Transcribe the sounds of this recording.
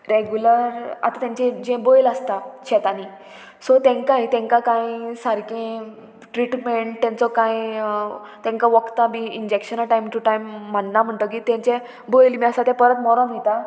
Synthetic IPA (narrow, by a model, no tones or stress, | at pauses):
ɾeɡjuləɾa̰t̪at̪jɛ̃ɲt͡ɕɛ̃d͡ʑẽbojləst̪aɕʰɛt̪ani | sɔt̪ɛ̃ŋkãit̪ɛ̃ŋkakãjsaɾkẽ | ʈɾiʈmeɳʈt̪ɛ̃nt͡sɔkãj | t̪ɛ̃ŋkaʋəkt̪amiind͡ʑekɕənaʈajmʈuʈajmːəɳːam̤əɳʈ̪əkiːt̪ɛ̃ɲt͡ɕɛ | bojlmiːəsat̪ɛ̃pəɾət̪mɔɾɔnɦit̪a